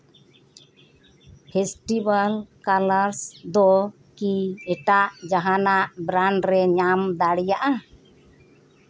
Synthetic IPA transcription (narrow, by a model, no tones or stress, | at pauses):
pʰɛsʈibalkalaɾsd̪ɔ | kiɛʈaʔd͡ʒaɦanaʔbɾaɳɖɾɛɲamd̪aɽijaʔa